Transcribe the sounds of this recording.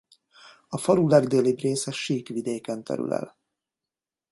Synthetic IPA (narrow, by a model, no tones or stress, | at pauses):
ɒfɒɾulɛɡd̪eːliːbreːsɛʃiːkʋid̪eːkɛnt̪ɛ̰ɾy̰lɛ̰l